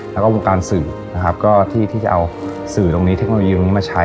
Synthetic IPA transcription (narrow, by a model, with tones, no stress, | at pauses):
lɛː˦˥wkɔː˥˩wo˧ŋkaː˧nsɯː˨˩ | na˦˥kʰa˦˥p̚kɔː˥˩t̪ʰiː˥˩t̪ʰiː˥˩t͡ɕa˨˩ʔa˧w | sɯː˨˩t̪o˧ŋni˦˥t̪ʰe˦˥k̚o˧o˧jiː˧m˧˦˥maː˥˩t͡ɕʰa˦˥